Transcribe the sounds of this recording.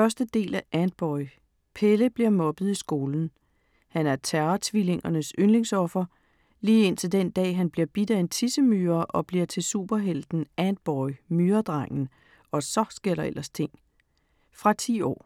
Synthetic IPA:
ɶɐsd̥əd̥e̝̰ːlæʔænd̥̚b̥ɒɪ | pʰeləb̥liɐmɒ̽b̥ð̞̩ˠisɡ̥o̝ːln̩ | hænæɐt͡sʰæɐɐt͡sʰʋile̝ŋɐnəsønle̝ŋsɒ̽fɐ | liːe̝n̰t͡sʰe̝ld̥end̥ɛ̰ːɦænb̥liɐb̥id̥æe̝nt͡sʰisəmyːɐʔɒ̽b̥liɐt͡sʰe̝lsṵːb̥ɐɦel̰d̥n̩ænd̥̚b̥ɒɪmyːɐd̥ʁɑ̈ŋ̰n̩ | ɒ̽sɒ̽sɡ̥e̝ɐɾɐ̈elɐst͡sʰe̝ŋ̰ | fʁɑ̈t͡sʰḭːɒ̰ː

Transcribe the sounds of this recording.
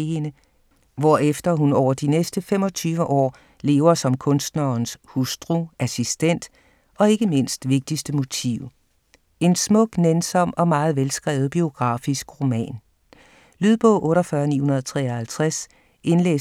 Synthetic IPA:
enə | ʋɒefd̥ɐɦunɒʊɐd̥inesd̥əfemɒ̽t͡sʰyːʋəʔɒ̰ː | le̝̰ːʊɐsɒ̽mkʰɔ̽nsd̥nɐnshusd̥ʁuæsisd̥en̰d̥ | ʔɒ̽e̝ɡ̥əme̝n̰sd̥ʋe̝ɡ̥̚d̥isd̥əmo̝t͡sʰḭʊ | e̝nsmɔ̽ɡ̥nensɒ̽m̰ɒ̽mɑ̈ːð̞̩ˠʋelsɡ̥ʁɛ̰ːʊð̞̩ˠb̥io̝ɡ̥ʁɑ̈ːfisɡ̥ʁo̝mɛ̰ːn | lyð̞ˠb̥ɔ̰̽ʊ̰ʔɔ̽ːɾɒfɶɐnḭːhunɐð̞ˠt͡sʰʁɛːɒhælt͡sʰʁas | e̝nlḛː

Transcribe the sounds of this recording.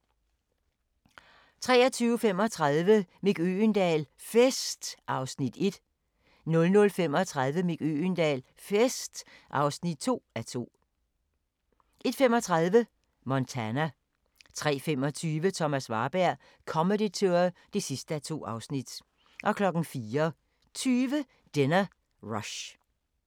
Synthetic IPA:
t͡sʰʁɛ̰ːɐt͡sʰyːʊəfem̰ɒ̽t͡sʰʁɑðˠʋəmiɡ̥øːnd̥ɛ̰ːl | fesd̥ʔɑ̈ʊsnid̥e̝d̥ | nɔ̽lnɔ̽lfem̰ɒt͡sʰʁaðˠʋəmeɡ̥ø̰nd̥ɛ̰ːl | fesd̥ʔɑ̈ʊsnid̥̚t͡sʰo̝̰ːæt͡sʰo̝̰ː | ʔe̝d̥femɒt͡sʰʁaðˠʋə | mɒnt͡sʰænæ | t͡sʰʁɛ̰ːfemɒt͡sʰyːʋət͡sʰɒ̽mæsʋɑ̈ːb̥æɐ̰ | kʰɒ̽medit͡sʰø̰ɐd̥e̝sisd̥əæt͡sʰo̝̰ːɑ̈ʊsnid̥ | ʔɒ̽kʰlɒ̽ɡ̥n̩fiːɐ | t͡sʰyːʋə | d̥enɐ | ʁɒɕ

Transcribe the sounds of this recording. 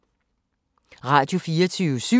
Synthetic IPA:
ʁɑ̈ːd̥jo̝fiːɐt͡sʰyːʋəsy

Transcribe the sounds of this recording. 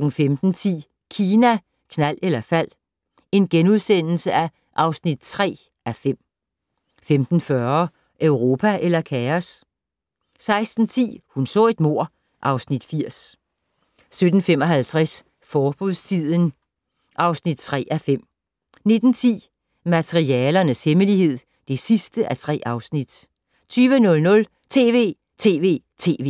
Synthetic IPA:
ɡ̥ŋ̩femd̥n̩t͡sʰḭː | kʰiːnæ | kʰnæl̰elɐfæl̰ | e̝nɡ̥enuðˠsen̰l̩səæ | ʔɑ̈ʊsnid̥̚t͡sʰʁɛ̰ː | æfem̰ | femd̥n̩fɶɐ | ʔøʊʁo̝ːpʰæʔelɐkʰæɐs | sɑ̈ɪsd̥n̩t͡sʰḭːhunsɔ̰̽ːe̝d̥mo̝ɐ̰ | ʔɑ̈ʊsnid̥fiɐ̰s | sød̥n̩fem̰ɒ̽ɦælt͡sʰʁɛs | fɒːb̥uðˠst͡sʰið̰ˠən | ʔɑ̈ʊsnid̥̚t͡sʰʁɛ̰ːʔæfem̰ | ne̝d̥n̩t͡sʰḭː | mæt͡sʰʁiɛːlɐnəsheməlihe̝ð̰ˠ | d̥e̝sisd̥əʔæt͡sʰʁɛ̰ːʔɑ̈ʊsnid̥ | t͡sʰyːʋənɔ̽lnɔ̽l | t͡sʰe̝̰ːʋe̝̰ː | t͡sʰe̝ːʋe̝̰ː | t͡sʰe̝ːʋe̝ː

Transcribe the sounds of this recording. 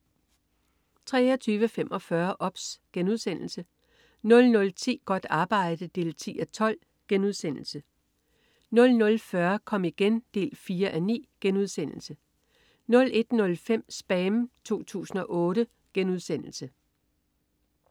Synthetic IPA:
t͡sʰʁɛ̰ːɒt͡sʰyːʋəfemʔɒ̽fɶɐʔɒ̽b̥sɡ̥enuð̞ˠsen̰l̩sə | nɔ̽lnɔ̽lt͡sʰḭːɡ̥ɒ̽d̥ɑ̈ːb̥ɑ̈ɪ̰d̥əd̥e̝̰ːlt͡sʰḭːæt͡sʰɒ̽l̰ | ɡ̥enuð̞ˠsen̰l̩sə | nɔ̽lnɔ̽lfɶɐkʰɒ̽m̰iɡ̥end̥e̝̰ːlfiːɐʔænḭːɡ̥enuð̞ˠsen̰l̩sə | nɔ̽le̝d̥nɔ̽lfem̰sb̥ɛːmt͡sʰo̝̰ːt͡sʰṵːsn̩ɒ̽ʔɔ̽ːɾə | ɡ̥enuð̞ˠsen̰l̩sə

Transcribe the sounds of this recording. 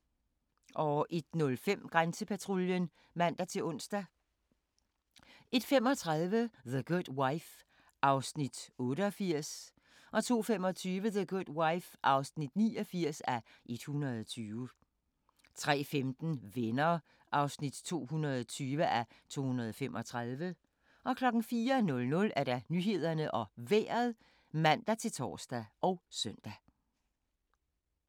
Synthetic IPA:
ʔɒ̽ʔe̝d̥nɔ̽lfem̰ɡ̥ʁansəpʰæt͡sʰʁoljən | ʋæn̰d̥ɑt͡sʰe̝lɔ̽n̰sd̥æ | e̝d̥fem̰ɒ̽t͡sʰʁaðˠʋəðəɡ̥od̥waɪf | ʔɑ̈ʊsnid̥ɔ̽ːɾəɒfiɐ̰s | ʔɒ̽t͡sʰo̝̰ːfemɒ̽t͡sʰyːʋəðəɡ̥ud̥waɪfʔɑ̈ʊsnid̥niːɒfiɐ̰sæ | ʔe̝d̥hunɐð̞ˠɒt͡sʰyːʋə | t͡sʰʁɛ̰ːfemd̥n̩ʋenɐ | ʔɑ̈ʊsnid̥t͡sʰo̝̰ːhunɐðˠɒt͡sʰyːʋəʔæ | t͡sʰo̝̰ːhunʁɐð̞ˠɒfemʔɒ̽t͡sʰʁaðˠʋə | ʔɒ̽kʰlɒ̽ɡ̥n̩fiːɐnɔ̽lnɔ̽læɐɾ̥ɑ̈nyɦe̝ð̞̰ˠɐnəʔɒ̽ʋḛːɐðˠ | mæn̰d̥æt͡sʰe̝lt͡sʰɒ̰ːsd̥æʔɒ̽ʊsœn̰d̥æ

